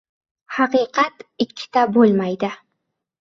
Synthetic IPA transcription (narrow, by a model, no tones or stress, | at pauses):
hɑqɨqʰɑt̪ɪkʲʰːɪ̥t̪abolˠmajd̪ɪ